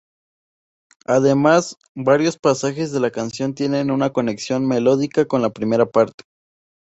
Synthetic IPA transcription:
aðe̞mas | baɾjo̞spasaxe̞zðe̞lakansjo̞nt̪je̞ne̞nunako̞ne̞ksjo̞nme̞lo̞ðikako̞nlapɾime̞ɾapaɾt̪e̥

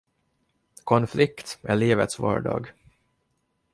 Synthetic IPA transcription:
kʰɔnflɪkt̪ɛɭiːvə̰t̪svɑ̰ːɖɑ̰ːɡ

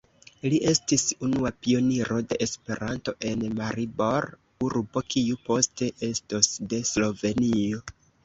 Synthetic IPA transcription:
liʔe̞stisunuapio̞niɾo̞de̞ʔespe̞ɾʔanto̞ʔe̞nmaɾibo̞ɾ | uɾbo̞kʰiupo̞ste̞ʔe̞stosde̞slo̞ve̞nio̞

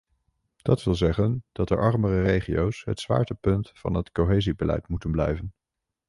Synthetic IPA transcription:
d̥ɑtʋɪlˠzɛχənd̥ɑtə̰ɹʔɑɹmərərejχijowsɦə̰tsʋa̰ːɹtəpɵntfɑ̰nɦətkowɦejzibəlɛ̰jtmutənblɛ̰jvən

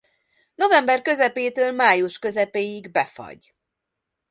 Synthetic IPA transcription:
no̞vɛmbɛrkø̞zɛpeːt̪øːlmaːjuʃkø̞zɛpeːjiɡbɛfɒ̰ɟ

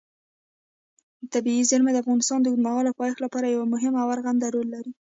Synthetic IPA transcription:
t̪abiizaɾmad̪əafɣɑnɪst̪ɑnd̪əɡd̪maɣɑlapɑjexlapɑɾajawamʊɦɪmawaɾɣand̪aɾolːaɾi

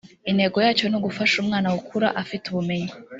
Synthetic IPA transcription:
inhe̞ɡo̞jaːt͡ʃo̞noɡufaʃumŋaːnawukʰuɾa̰ʔafituβume̞ɲi

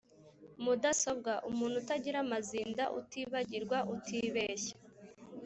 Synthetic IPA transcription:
mudaso̞bɡaʔumuːn̥hutaɟiɾamaziːndaʔṵtiːβaɟiɾɡwaʔutʰiːβeːʃḁ

